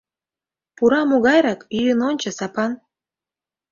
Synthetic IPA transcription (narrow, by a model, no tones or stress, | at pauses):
puɾɑmoɣɑjɾɑkyjənonʲt͡ɕɤ̆sɑpɑn